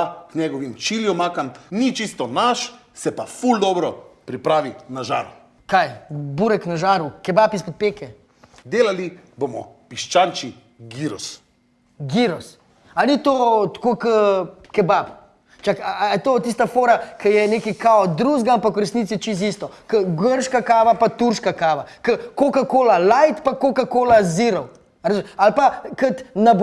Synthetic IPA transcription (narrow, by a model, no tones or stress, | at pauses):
aknɛɡɔʋimt͡ʃiljɔmakamnit͡ʃist̪ɔnaʃ | sɛpafuld̪ɔbɾɔpɾipɾaːʋinaʒa̰ːɾu | kajbuːɾɛknaʒaːɾukɛbapispɔt̪̚peːkɛ | d̪eːlali | bomɔ̰piʃt͡ʃant͡ʃi | ɡiɾɔs | ɡiɾɔs | anit̪ot̪kokəkɛbap | t͡ʃakːt̪oːt̪is̬t̪afoːɾakəjɛneːkikaɔd̪ɾuːʒɡaampakuɾɛsnit̪sit͡ʃist̪̬ist̪ɔkəɡəɾʃkakaːʋapat̪uɾʃkakaːʋakəkokakoːlalajt̪pakokakoːlaziɾɔw | ɾazalpakɐt̪nab